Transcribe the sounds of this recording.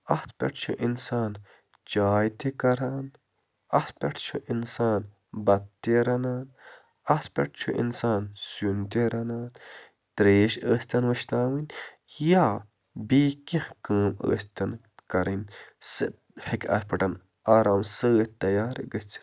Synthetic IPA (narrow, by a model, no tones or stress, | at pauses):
ɐht̪ʰpʲɐ̰ʈʰt͡ʃʰṵʔinsaːn | t͡ʃaːjt̪ikɐɾaːn | ɐt̪ʰpʲɐʈʰt͡ʃʰuʔinsaːn | bɐt̪t̪ːeɾɐnaːn | ɐt̪pʲɐ̰ʈ̚ʰt͡ʃʰṵʔḭnsaːnsunt̪eɾɐnaːn | t̪ɾeːʃəːst̪ɐnwɐʃt̪aːwinʲ | jaː | biːkĩhkəːmə̰ːst̪ɐn | kɐɾinsɨ | hekʰʲɐ̰t̪pʰɐʈɐn | aːɾaːmsɨət̪ːɐjaːɾɡət͡sʰi̥